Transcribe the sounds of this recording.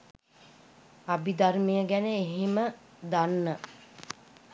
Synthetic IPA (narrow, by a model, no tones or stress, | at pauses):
abid̪armijəɡænəeɦemə | d̪anːə